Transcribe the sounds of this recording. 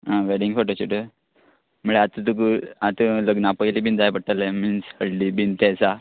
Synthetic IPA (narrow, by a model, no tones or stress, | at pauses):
ɦãʋeɽiŋɡkʰoʈət͡ɕiʈə | məɭeat̪ət̪əkəat̪ələɡnapəjlibʱind͡zajpəɽʈ̪əleminshəɽlibint̪esa